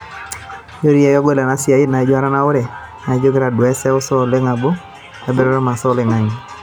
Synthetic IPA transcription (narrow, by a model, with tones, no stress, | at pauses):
jo˦ɾi˦ja˦jɔ˦ɡwe˦la˨na˦sɪ˨a˨i˦na˨˦d͡ʒo˦a˦ɾa˦na˦ʊ˦ɾɛ˨ | na˨˦d͡ʒo˦ɡe˦ɾa˨dɛ˦sɛ˦ʊ˦sɔ˦˨le˦ŋa˨bo˦ | a˨be˦ɾɔ˦ɾɔ˦ma˨sɔ˦le˨ŋa˨ɲi˨